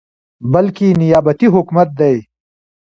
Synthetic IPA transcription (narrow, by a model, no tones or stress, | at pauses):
bɐlkinijaːbɐt̪iɦʊkmɐt̪̚d̪ɐj